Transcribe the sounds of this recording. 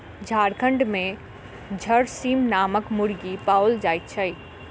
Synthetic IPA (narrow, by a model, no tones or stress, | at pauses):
d͡ʒʱaːɾkʰə̃ɳɖmẽ | d͡ʒʱəɾsiːmnaːməkmʊɽɡipaːwld͡ʒaːjt̪t͡ʃʰəi